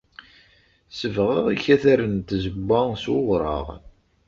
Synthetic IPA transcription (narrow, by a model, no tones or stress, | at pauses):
səvʁəðˤiçæθæɾənt̪zəbʷːæswʊʁɾˤɑ̰ʁ